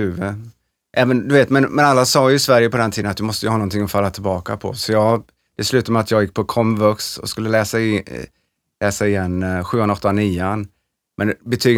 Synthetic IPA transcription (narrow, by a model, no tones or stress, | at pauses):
ʉ̟ːvə | ʔɛːvənd̪ɵveːt̪mɛnmɛnalːasɑːjɵɪsvæɾjəpɔd̪ɛnt̪ʰiːd̪ənt̪d̪ɵmɔst̪əjəhɑːnɔnt̪ʰɪŋːɔfalːat̪ʰɪlbɑːka̰pʰɔ̰sɔjɑː | d̪̥ɛslʉ̟ːt̪amɛat̪jɑːɡjɪk̚pʰɔkʰɔmvœksɔ̰skɵlːəlɛːsaɪ | lɛːsaɪjɛnːɧʉ̟ːanaɔt̪ːaniːan | mʔɛnbɛt̪ʰyːɡ